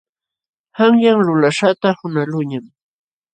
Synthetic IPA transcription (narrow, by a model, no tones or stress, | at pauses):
haŋjaŋlʊlaʃat̪ahʊnalʊɲam